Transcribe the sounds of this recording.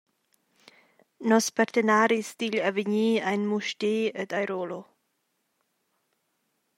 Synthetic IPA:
nɔspaɾt̪ənaɾisd̪iʎaviɲiːajnmuʃteːəd̪ajɾolo

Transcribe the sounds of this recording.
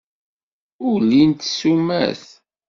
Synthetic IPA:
ʊlint̪sumæ̰θ

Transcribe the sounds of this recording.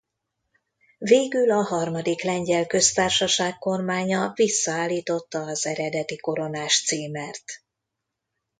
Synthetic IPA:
veːɡylɒɦɒrmɒd̪iklɛɲɟɛlkø̞st̪aːrʃɒʃaːkko̞rmaːɲɒvisːɒaːlːiːt̪o̞t̪ːɒːzɛɾɛd̪ɛt̪iko̞ɾo̞naːʃt̪siːmɛrt̪

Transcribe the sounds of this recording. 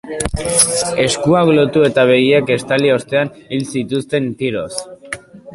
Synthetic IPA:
e̞skuaklo̞t̪ue̞t̪aβ̞e̞ɣieke̞st̪aliost̪e̞anilsit̪ust̪e̞nt̪iɾo̞s

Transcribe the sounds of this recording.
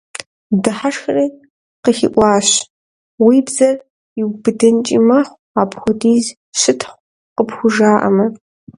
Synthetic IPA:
dɨħaʂxɐriː | qəxḭʔʷɑːɕ | wiːbzɐr | iwbɨdɨnt͡ʃʼḭmɐχʷ | aːpxʷɔdiːz | ʃɪtʰχʷ | qəpxʷʊʒaːʔɐ̰mɐ

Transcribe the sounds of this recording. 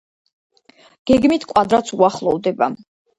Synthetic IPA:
ɡ̥ɛɡmit̪ʰkʼwad̪ɾat̪sʰuaχlˠɔvd̪ɛba̰

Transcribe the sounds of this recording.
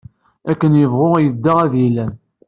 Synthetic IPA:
ækːənjəvʁʊʁjəd̪ːəʁæðilæ

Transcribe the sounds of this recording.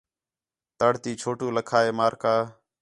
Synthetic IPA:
t̪əɽ̤t̪iːt͡ʃʰoːʈuːləkʰaːeːmaːɾkaː

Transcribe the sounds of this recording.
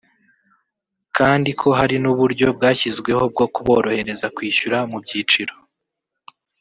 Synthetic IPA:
kʰaːndikʰo̞ɦaɾinuβuɾɟo̞b̚ɡaːçizɡwe̞ho̞b̚ɡo̞kuβo̞ːɾo̞he̞ɾe̞zakwiːʃuɾamubɟiːt͡ʃiɾo̞

